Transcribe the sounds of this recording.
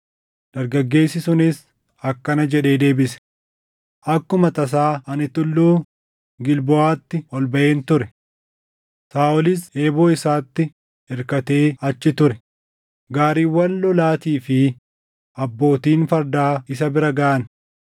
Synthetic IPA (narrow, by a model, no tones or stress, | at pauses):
d̪̥ɐɾɡɐɡːe̞ːsːɪsʊnɪs | ɐkːɐnɐd͡ʒɛᶑe̞ːd̪e̞ːbɪsɛ̥ | ʔɐkːʊmɐt̪ɐs̬aːɐnɪt̪ʊlːuː | ɡɪlbɔaːt̪ːɪɔlbɐʔe̞ːnt̪ʊɾɛ | saːʔɔlɪse̞ːboːɪsaːt̪ːɪ | ɛɾkɐt̪e̞ːɐt͡ʃːɪt̪ʊɾɛ | ɡaːɾiːwːɐnlɔlaːt̪iːfɪ | ɐbːo̞ːt̪iːnfɐɾd̪aːɪs̬ɐbɪɾɐɡɐʔɐn